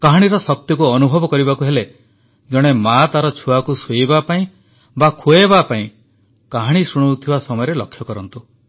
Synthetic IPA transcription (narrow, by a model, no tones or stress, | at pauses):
kaɦaɽ̃iɾɔsɔk̚t̪jɔkuɔnubʱɔbɔkɔɾibakuɦele | d͡ʒɔɽ̃emat̪aɾɔt͡ʃʰuakusujbapaĩ | bakʰuebapaĩ | kaɦaɽ̃isuɽ̃ut̪ʰibasɔmɔjɔɾelɔkʰjɔkɔɾɔnt̪u